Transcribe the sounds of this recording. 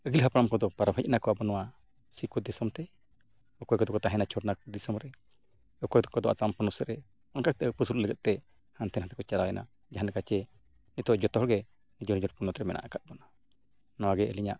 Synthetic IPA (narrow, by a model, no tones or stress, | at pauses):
əɡilɦapaɾamkɔd̪ɔpaɾabəc̪̚nakɔabɔnɔwa | sikɔd̪isɔmt̪ɛ | ɔkɔjkɔd̪ɔkɔt̪aɦɛ̃nat͡ʃʰɔɾnakɔd̪isɔmɾɛ | ɔkɔjd̪ɔkɔd̪ɔʔa̰tampɔnusəɾɛ | ɔŋkak̚t̪ɛəpusulləɡɛt̪̚t̪ɛhant̪ʰɛnhant̪ɛkɔt͡ʃaɾaɛna̰d͡ʒaɦanɛkat͡ʃɛ | nit̪ɔʔd͡ʒɔt̪ɔɦɔlɡɛnid͡ʒɔnid͡ʒɔɾpunɔt̪ɾɛmɛnʔa̰ʔakat̪̚bɔna | nɔwaɡɛəliɲa̰ʔ